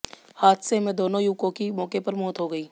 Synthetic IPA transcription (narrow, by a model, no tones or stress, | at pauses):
haːd̪semẽd̪oːnõjuːkõkimɔːkepɐɾmɔːt̪ɦoɡɐiː